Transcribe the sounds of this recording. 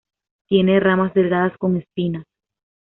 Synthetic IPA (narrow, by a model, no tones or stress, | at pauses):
t̪je̞ne̞ramasd̪e̞lɣaðasko̞ŋe̞spina